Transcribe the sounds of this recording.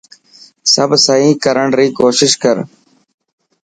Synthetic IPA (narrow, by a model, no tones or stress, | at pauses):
səbʱsəĩːkəɾəɳɾiːkoːʃɪʃkəɾ